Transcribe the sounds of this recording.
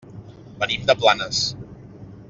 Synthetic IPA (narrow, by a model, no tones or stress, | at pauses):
bənimd̪əplanəs